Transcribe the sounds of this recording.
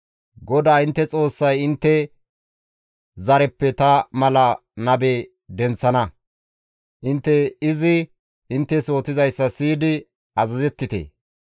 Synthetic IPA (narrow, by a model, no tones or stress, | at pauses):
ɡɔd̪aːɪnt̪ːɛt͡sʼo̞ːsːɐjɪnt̪ːɛ | zɐɾɛpːɛt̪ɐmɐlɐ | nɐbeː | d̪ɛnt͡sːɐnɐ | ʔɪnt̪ːɛɪzɪ | ʔɪnt̪ːɛso̞ːt̪ɪzɐjsːɐsiːd̪ɪ | ɐzɐzɛt̪ːɪt̪ḛː